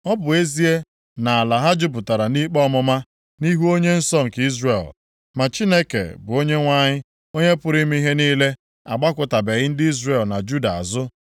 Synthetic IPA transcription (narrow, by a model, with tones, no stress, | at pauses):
ɔ˦bʊ˨e˦zi˦e˦ | na˨a˨la˨ɦa˦d͡ʒʊ˦pʊ˨ta˨ɾa˨ni˦k͡pɔ˦mʊ˦ma˦ | ni˦ɦu˦o˦ɲe˦n̩˦sɔ˦ŋ̩˨ki˦zrḛ˨l | ma˨t͡ʃi˦ne˦kḛ˨bʊ˨o˦ɲe˦ŋʷa˦ɲɪ˦ | o˦ɲe˦pʊ˦ɾi˦mi˦ɦe˦niː˦le˦ | a̰˨ɡ͡ba˦kʷʊ˨ta˨be˨ɣɪ˦n̩˦dɪ˦i˦zɾe˨lna˨d͡ʒu˦da˨a̰˨zʊ˦